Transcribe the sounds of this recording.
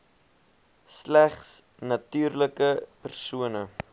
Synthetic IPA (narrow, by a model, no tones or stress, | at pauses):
slæχs | nɐtyːrləkəpərsuənə